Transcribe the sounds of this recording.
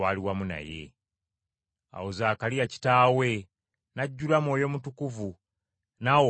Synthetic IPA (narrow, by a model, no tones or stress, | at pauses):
aːliwamuna̰je̞̰ | a̰wozaːkalijaci̥taːwe̞ | naɟːulamwoːjo̞mutukuvu | nawo